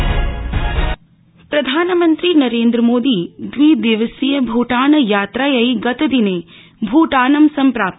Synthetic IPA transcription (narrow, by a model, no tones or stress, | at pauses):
pɾɐd̪ʱaːnəmənt̪ɾinɐɾeːnd̪ɾəmoːd̪iːd̪ʋid̪iʋəsijəbʱuːʈaːnəjaːt̪ɾaːjɐiɡɐt̪ɐd̪ine | bʱuːʈaːnɐmsɐmpɾaːp̪̚